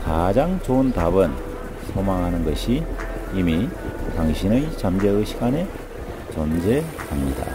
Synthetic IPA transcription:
kad͡ʑaŋt͡ɕoɯntabɯn | sʰomaŋɦanɯnɡʌɕʰiːmitaŋɕʰinɯjt͡ɕamd͡ʑeɯɕʰiɡane̞ | t͡ɕʌnd͡ʑe̞kamɲida̰

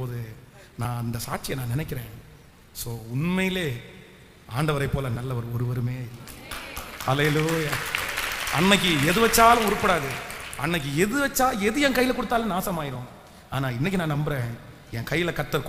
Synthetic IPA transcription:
oːðɯ | nãːɐnd̪ɐsaːʈ̚t͡ʃɪjɐnãːnɪnɛk̬ʲːɪɾẽː | soːʊɳmɐjɪleː | aːɳɖɐʋɐɾɐɪpːoːlɐnɐlːɐʋɐɾɔɾɯʋɐɾɯmeːɪlːɐ | hɐleːluja | ɐnːɐk̬ːɯɛðɯʋɐt͡ʃːaːlɐ̃ɔɾɯpːɐɽaːðɯɐnːɐk̬ːɯɛðɯʋɐt͡ʃːaːɛðɯjɛ̃ŋkɐjːɪlɐkɔɽɯt̪ːaːlenaːsɐmaːjɪɾõː | aːnaːɪnːɛk̬ʲːɯnãːnɐmbɪɾẽː | ɛŋkɐjːɪlɐkɐʈt̪ːɐɾkː

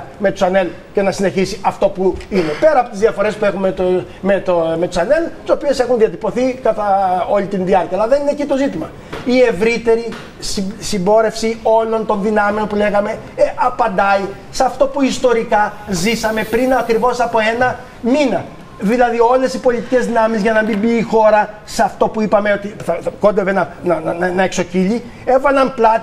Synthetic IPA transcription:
me̞t̪u̥sɐne̞l | ce̞nɐsine̞çisiʔɐft̪o̞puinepe̞ɾɐːpot̪izðiɐfo̞ɾe̞spue̞xumet̪o | met̪me̞t̪usɐne̞lt̪i̥so̞pie̞se̞xunðiɐt̪ipo̞θikɐt̪ɐo̞lit̪inðiɐɾcɐːlɐðe̞ninecit̪o̞zit̪imɐ | ie̞vɾit̪e̞ɾi | ssimbo̞ɾe̞fsio̞lo̞nt̪o̞nðinɐmeo̞npule̞ɣɐme̞ | ʔɐpɐnd̪ɐi | sɐft̪o̞puist̪o̞ɾikɐzisɐme̞pɾinɐkɾivo̞sɐpo̞e̞nɐ | minɐ | ðilɐðio̞le̞sipo̞lit̪ice̞zðinɐmizʝɐnɐmimbiːxo̞ɾɐ | seɐft̪o̞puipɐme̞ot̪iθɐɐko̞nd̪evenɐnɐnnɐekso̞ciʎi | e̞vɐlɐmplɐt̪

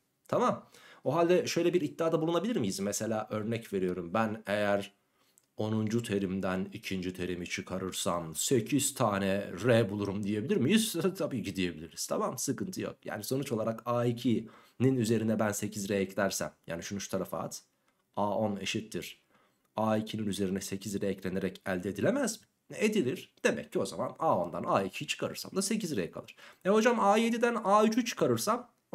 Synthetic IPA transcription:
t̪ʰamamuɦalʲd̪ɛʃø̞jlʲɛbiɾit̪̚ːaːd̪abulˠunabilʲiɾmijizmɛse̞lʲaːʔø̞ɾnɛcve̞ɾijo̞ɾumbæne̞jæɾ | o̞nund͡ʒut̪ʰeɾimd̪ænicʰind͡ʒit̪ʰeɾimit͡ʃʰɯkʰaɾɯɾsamse̞cʰiz̥t̪ʰaːnɛɾɛbulˠuɾumd̪ije̞bilʲiɾmijyzt̪ʰabiːɟid̪ije̞bilʲiɾiz̥t̪ʰa̰mamsɯkɯnt̪ʰɯjo̰k̚ja̰ːniso̞nut͡ʃolˠaɾakaːicʰi | ninyze̞ɾinɛbænse̞cʰizɾejɛclʲæɾsæ̰mja̰ːniʃunyʃt̪ʰaɾafa̰ːt̪ | aːo̞ne̞̰ʃit̪ʰːiɾ̥ | aːicʰininyze̞ɾinɛse̞cʰizɾɛjɛclʲe̞ne̞ɾɛcælʲd̪ɛd̪ilʲemæzm | ed̪ilʲiɾ̥d̪̥e̞mɛ̰cʰːio̞zamanaːo̞nd̪anaːicʰit͡ʃʰɯ̥kʰaɾɯɾsa̰md̪ase̞cizɾɛjkʰa̰lˠɯɾ̥ɛɦo̞d͡ʒamaːjed̪id̪ænaːyt͡ʃʰyt͡ʃʰɯ̥kʰaɾɯɾsam

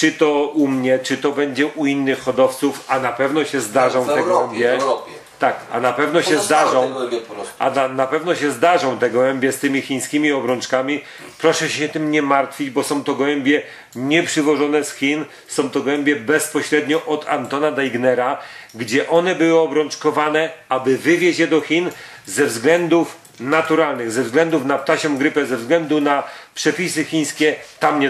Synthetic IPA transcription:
t͡ʂɨt̪ɔumɲɛt͡ʂɨt̪ɔbɛɲd͡ʑɛʔuinːɘxːɔd̪ɔft̪sufanapɛvnɔɕɛzd̪aʐɔ̃w̃t̪ɛɡwɛmbʲjɛ | t̪aka̰napɛvn̪ɔɕɛzd̪aʐɔ̃w̃ | a̰anapɛvnɔɕɛzd̪aʐɔ̃w̃t̪ɛɡwɛmbʲjɛst̪ɘmʲixʲĩj̃skʲimʲiɔbɾɔnt͡ʂkamʲi | pɾɔʂɛɕɛt̪ɘmɲɛmaɾt̪fʲid͡ʑbɔsɔ̃w̃t̪ɔɡwɛmbʲjɛ | ɲɛpʂɘvɔʐɔnɛsxʲin | sɔ̃w̃t̪ɔɡwɛmbʲjɛbɛspɔɕɾɛd̪ɲɔʔɔt̪a̰nt̪ɔnad̪ajɡnɛɾaɡd͡ʑɛʔɔnɛbɘwɘɔbɾɔnt͡ʂkɔvanɛabɘvɘvʲjed͡ʑjɛd̪ɔxʲin | zɛvzɡlɛnd̪uf | nat̪uɾalnɘɣzɛvzɡlɛnd̪ufnap̚t̪aɕɔ̃w̃ɡɾɘpɛzɛvzɡlɛnd̪unapʂɛpʲisɘxʲiɲ̃skʲɛt̪amɲɛ

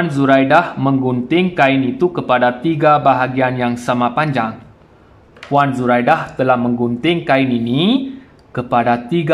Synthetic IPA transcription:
nzuɾajdahmə̃ŋɡunt̪ɪŋkainit̪ukəpadat̪iɡabaɦaɡianjaŋsamãpaɲd͡ʒaŋ | pwanzuɾajdaht̪əlahmə̃ŋɡunt̪ɪŋkainini | kəpadat̪iɡ

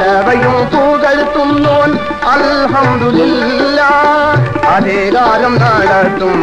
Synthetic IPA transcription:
ɐʋɐjɯmt̪uːðɐɻɯt̪ːɯmloːn | ɐlɦɐmd̪ʊlɪl | lːaː | ɐðeːɣaːɾɐmnaːɭat̪ːɯm

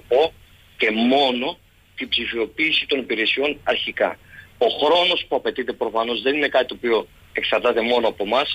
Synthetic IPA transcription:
po̞ | ce̞mo̞no̞ | t̪ibzifio̞piːsit̪o̞nipiɾe̞sio̞nɐɾçikɐ̰o̞xɾo̞no̞spuɐpe̞t̪it̪e̞pɾo̞fɐno̞zðe̞nine̞kɐt̪it̪opio̞ | e̞ksɐɾt̪ɐt̪e̞mo̞noɐpo̞mɐs

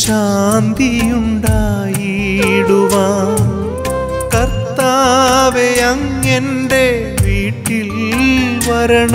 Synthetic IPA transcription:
ɕaːnd̪ijuɳɖaː | ji | ɽuʋaːm | kɐɾt̪ːaːʋejɐŋ | en | ɖe | ʋiːʈːil | ʋɐɾɐɳ

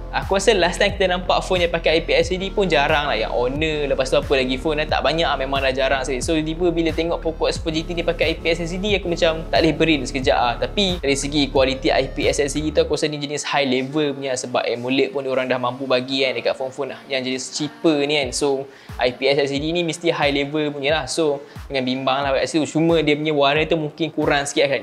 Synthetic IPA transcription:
akuasənlast̪ajmki̥t̪anampaʔfonjãpakaajpiɛsidipʊnd͡ʒaɾaŋlahja̰ŋʔonə̃ləpast̪uapəlaɡifonat̪a̰ʔbaɲaʔmẽmãŋlahd͡ʒaɾaŋsadisod̪ibəbilət̪eŋɔʔpokɔʔspɔzit̪ifnĩpakaajpiɛsɛs̬idiakumat͡ʃamt̪aʔlɪhbəɾidsə̥kəd͡ʒa̰ʔat̪apidaɾisəɡikuwalit̪iʔa̰jpiɛsɛsidit̪uakuosanid͡ʒənishajlevəlpuɲəsəba̰p̚ɛmuləʔ̚pundoɾaŋdahmãmpubaɡiandəkat̪fɔnfɔnahjaŋd͡ʒadist͡ʃipənĩanso | ʔajpiɛsɛs̬idinĩmist̪ihajlevəlpuɲəlahsodəŋanbimbaŋlahbakaʔsit̪ut͡ʃumə̃diəpəɲəwaɾət̪umuŋkɪnkuɾaŋsə̥kiaʔkan

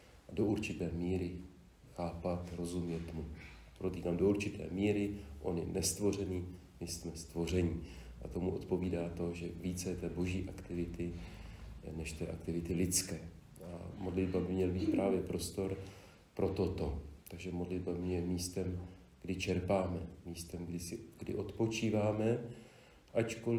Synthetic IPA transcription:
ʔado̞ʔuɾt͡ʃɪt̪ɛːmiːɾɪ | xaːpat̪ɾo̞zumɲɛt̪mupɾot̪iːkaːmdouɾt͡ʃɪt̪ɛ̰ːmiːɾɪʔo̞̰nɪnʔɛst̪vo̞r̝ɛniː | mɪsmɛst̪vo̞r̝ɛɲɪʔa̰t̪o̞muʔo̞t̪po̞viːdaːt̪o̞ʒɛviːt͡sɛɛt̪ɛːboʒiːʔakt̪ɪvɪt̪ɪ | nɛʃt̪ɛːʔa̰kt̪ɪvɪt̪ɪlɪt͡skɛː | ʔa̰mo̞dlɪd̪babɪmɲɛlbiːt̪pɾaːvjɛpɾo̞st̪o̞ɾ | pɾo̞t̪o̞t̪o̞t̪aɡʒɛmodlɪdbamjɛmiːst̪ɛm | ɡ̥dɪt͡ʃɛɾpaːmɛmiːst̪ɛmɡdɪsɪɡ̥dɪ̰ʔo̞t̪po̞t͡ʃiːvaːmɛ | ʔat͡ʃkol

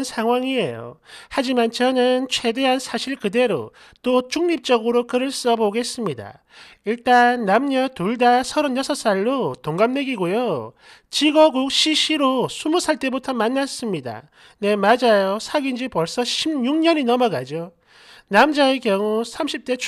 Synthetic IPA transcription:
nsʰaŋɦwaŋie̞jo̰had͡ʑimant͡ɕʰʌnɯnt͡ɕʰwe̞de̞ɦansʰaɕʰiɭkɯde̞ɾo̰ | t͈ot͡ɕuŋɲip̚t͡ɕ͈ʌɡɯɾokɯɾɯɭs͈ʌboɡe̞s͈ɯmɲida̰ | iɭt͈anːamɲʌtuɭdasʰʌɾʌnjʌsʰʌs͈aɭːotoŋɡamneɡiɡojo | t͡ɕiɡʌɡuk̚ɕʰiɕʰiɾosʰumusʰaɭt͈e̞butʰʌmanːas͈ɯmɲida̰ | ne̞mad͡ʑajosʰaɡind͡ʑipwʌɭs͈ʌɕʰibjuŋɲʌninʌmʌɡad͡ʑo | namd͡ʑaekjʌŋusʰamɕʰip̚t͈e̞

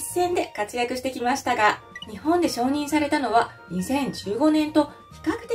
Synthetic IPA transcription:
sːẽ̞nd̪e̞kat͡sɨjakɯ̟ɕi̥t̪e̞kʲimaɕi̥t̪aɡa | ɲ̟ihõ̞nd̪e̞ɕo̞ːɲ̟ĩɰ̃saɾe̞t̪ano̞βa | ɲ̟isẽ̞ɲ̟d͡ʑɨːɡo̞nẽ̞nt̪o̞ | çi̥kakɯ̟̥t̪

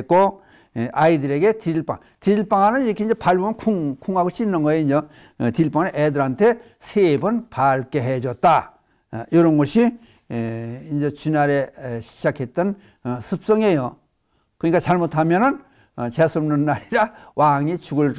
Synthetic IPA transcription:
k͈o | ʔaidɯɾeɡetid͡ʑiɭpa̰ŋ | t̪id͡ʑiɭp͈aŋɦanɯniɾʌkʰeind͡ʑepaɭbʌmnkʰuŋkʰuŋaɡot͡ɕ͈inːɯnɡʌiind͡ʑʌ | tiɭpaŋaneʔedɯɾɦantʰe | sʰebɯnpaɭk͈eɦed͡ʑʌt̚t͈a | joɾʌnɡʌɕʰi | ind͡ʑet͡ɕinaɾeɕʰi̥d͡ʑakʰet̚t͈ɯn | sʰɯp̚s͈ʌŋejo | kɯnɲik͈at͡ɕaɭmotʰamjʌnɯn | t͡ɕesʰɯmnɯnːaɾiɾawaŋit͡ɕuɡɯɭ

